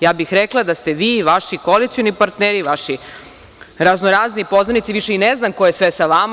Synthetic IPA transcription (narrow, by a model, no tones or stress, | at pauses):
jaːbixɾeklˠad̪ast̪eʋiːʋaʃikoolit̪sijonipaɾt̪neːɾiʋaʃi | ɾaznoɾaːzniːpo̞znanit̪siʋiʃeineznamkojesʋesaʋam